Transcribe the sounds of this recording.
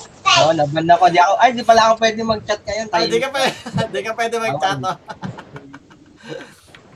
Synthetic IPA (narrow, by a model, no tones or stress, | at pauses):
oʔonɐbɐnːɐkod̪iʔɐkoʔɐjd̪ipɐlaʔɐkopwɛːd̪ɪŋmɐɡ̚t͡ʃat̪̚kɐjonk̪ɐd̪ikɐpɛnd̪ikɐpwɛːd̪ɛmɐɡt͡ʃao